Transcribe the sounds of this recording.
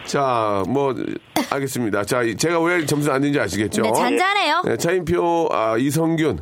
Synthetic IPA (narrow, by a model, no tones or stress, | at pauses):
t͡ɕamwʌa̰ɭɡes͈ɯmɲidat͡ɕait͡ɕe̞ɡaweɭt͡ɕʌms̬ʰɯnandend͡ʑiaɕ̬ʰiɡe̞t̚t͡ɕ͈oet͡ɕananejonʔe̞̰t͡ɕʰaimp̬ʰjoʌis̬ʰʌŋɡun